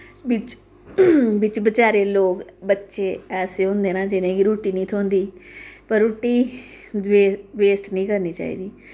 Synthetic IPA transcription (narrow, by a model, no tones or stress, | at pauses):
ʋɪt͡ʃ | ʋɪt͡ʃbət͡ʃaːɾeːloːkbətːʃeːɛːseːɦõːnd̪eːnãːd͡ʒɪnẽːkiɾuːʈiːnĩːt̪ʰoːnd̪iːpəɾːuːʈiː | eʋeːsʈnĩːkəɾniːt͡ʃa̰ːḭːd̪iː